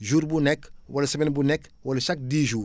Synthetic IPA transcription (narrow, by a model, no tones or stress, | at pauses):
ʒuːɾbunɛkwɐlɐsɐmenbunɛkwɐlɐʃɐk̚diʒuːɾ